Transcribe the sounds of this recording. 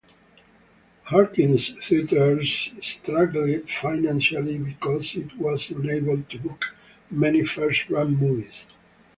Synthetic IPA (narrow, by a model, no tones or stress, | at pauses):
hɑɹkɪ̃nzθiətəɹzstɾaɡl̩ɪdfaɪnæ̃nʃalibikɔzɪtwɔzɛ̃neɪbəld̚tʰubʊk | mɛnifɜɹstɹãnmuviz̥